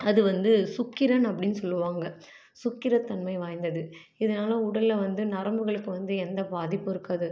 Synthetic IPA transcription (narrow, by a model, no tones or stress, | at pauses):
ɐðɯʋɐnd̪ɯsʊkːɪɾɐnɐpːɐɽɪnːɯsɔlːɯʋaːŋɡɐ | sʊkːɪɾɐt̪ːɐnmɐɪʋaːjnd̪ɐðɯ | ɪðɐnaːlɐʊɽɐlːɐʋɐnd̪ɯnɐɾɐmbɯɣɐɭɯkːɯʋɐnd̪ɯɛnd̪ɐbaːðɪpːɪɾɯkːaːðɯ